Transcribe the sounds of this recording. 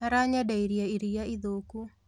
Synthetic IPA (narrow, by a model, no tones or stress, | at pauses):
aɾaɲadaiɾjaiɾijaiðoku